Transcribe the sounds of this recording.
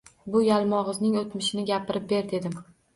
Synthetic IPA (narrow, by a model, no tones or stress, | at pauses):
bʊjalˠmɒʁɨznɪŋot̪mɪʃɪnɪɡʲapʰɪɾɪp̚be̞ɾd̪e̞d̪ɪm